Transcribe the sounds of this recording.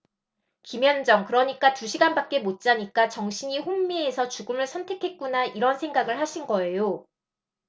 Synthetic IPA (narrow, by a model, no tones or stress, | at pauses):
kimjʌnd͡ʑʌŋkɯɾʌɲik͈atuɕʰiɡanbak̚k͈e̞mot̚t͡ɕ͈aɲik͈at͡ɕʌŋɕʰiɲiɸoŋmiesʰʌt͡ɕuɡɯmɯɭsʰʌntʰe̞kʰe̞t̚k͈unaiɾʌnsʰe̞ŋɡaɡɯɭhaɕʰinɡʌe̞jo